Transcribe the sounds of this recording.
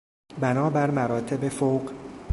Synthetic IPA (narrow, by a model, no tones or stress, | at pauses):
bænɒːbæɾmæɾɒːt̪ʰe̞befowɢ